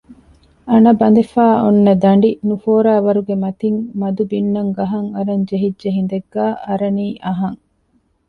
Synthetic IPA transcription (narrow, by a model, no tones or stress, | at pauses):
ɐnɐbɐnd̪efaːonːɐd̪ɐɳɖinufoːɾaːʋɐɾuɡemɐt̪iŋmɐd̪ubinːɐŋɡɐɦɐŋɐɾɐɲd͡ʒeɦidd͡ʒeɦind̪eɡːæːʔɐɾɐniːʔɐɦɐŋ